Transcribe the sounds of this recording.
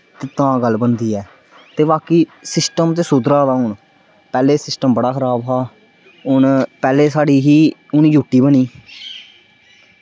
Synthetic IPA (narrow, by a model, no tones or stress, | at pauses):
t̪eːt̪ãːɡəlːbənd̪iːɛː | t̪eːʋaːkiːsɪsʈəmt̪eːsʊd̪ɾaːd̪aːɦʊɳ | pɛːleːsɪsʈəmbəɽaːkʰəɾaːbɦaː | ʊnpɛːleːsaːɽiːɦiːʊnĩːd͡ʒuːʈiːbəɳiː